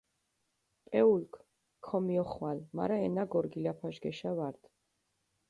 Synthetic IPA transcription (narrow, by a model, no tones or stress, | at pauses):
pʼɛulkʰʼ | kʰɔmiɔχwalma̰ɾaɛnaɡɔɾɡilapʰaʒɡɛʃavaɾd̪̥